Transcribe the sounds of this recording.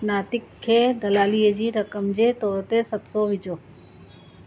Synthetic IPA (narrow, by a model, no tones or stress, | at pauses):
naːt̪ɪkʰːeːd̪ɐlaːliːəd͡ʑiːɾɐkəmd͡ʑeːt̪ɔːɾt̪esɐt̪soʋɪd͡ʑoː